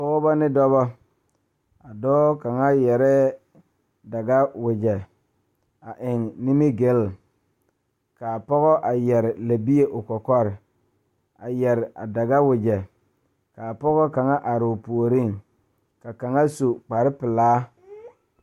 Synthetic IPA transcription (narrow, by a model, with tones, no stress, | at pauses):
pɔ˦ɣɔ˦bɔ˦nɪ˦dɔ˦bɔ˦ | a˨dɔː˦ka˨ŋa˦jɛ˨ɾɛ˦ | da˨ɡa˦wɪ˨d͡ʒɛ˨ | a˨ʔɪ˨ŋnɪ˦mi˦ɡɪ˦l | ka˨pɔ˦ɣɔ˦ʔa˨jɛ˨ɾɪ˨la˨bi˦e˦ʔʊ˨kɔ˨kɔ˦ɾɪ˨ | a˨jɛ˨ɾɪ˨a̰˨da˨ɡa˦wɪ˨d͡ʒɛ˨ | ka˨pɔ˦ɣɔ˦ka˨ŋa˦ʔa˨ɾɪ˨ʊ˨pu˨o˨ɾi˦˨ŋ | ka˨ka˨ŋa˦so˨k͡pa˨ɾɪ˦pɪ˨laː˦